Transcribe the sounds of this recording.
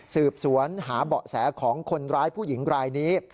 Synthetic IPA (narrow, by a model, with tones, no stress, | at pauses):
sɯː˨˩p̚su˩˦ənɦaː˩˦bɔ˨˩sɛː˩˦kʰɔː˩˦ŋkʰo˧nɾaː˦˥jpʰuː˥˩ji˩˦ŋɾaː˧jniː˦˥